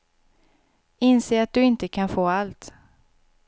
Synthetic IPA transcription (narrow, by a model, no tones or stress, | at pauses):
ɪnseːɾat̪̚d̪ɵɪnt̪əkʰanfoːalt̪